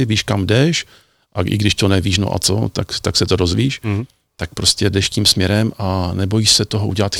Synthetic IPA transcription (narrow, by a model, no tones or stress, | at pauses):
ɪviːʃkamdɛʃ | ʔaʔɪ̰ɡdɪʃt̪onɛviːʃno̰ʔa̰t͡so̰t̪akt̪aksɛt̪oɾozviːʃ | t̪ak̚pɾo̞scɛdɛʃciːmsmɲɛɾɛmanɛbo̞jiʃsɛt̪oɦoṵɟɛlat̪x